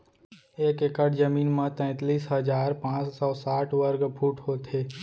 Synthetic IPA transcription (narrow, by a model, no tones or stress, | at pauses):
eːkekəʈd͡ʒəmiːnmãt̪ɛ̃ːt̪ːliːsɦəd͡ʒaːɾpãːt͡ʃsɔːsaːʈʰʋəɾɡpʰuːʈɦoːt̪ʰeː